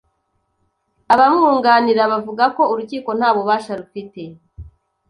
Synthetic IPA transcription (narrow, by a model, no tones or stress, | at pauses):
aβamuːŋɡaːniɾaβavuɡako̞uɾuciːko̞n̥haːβoβaːʃaɾufite̞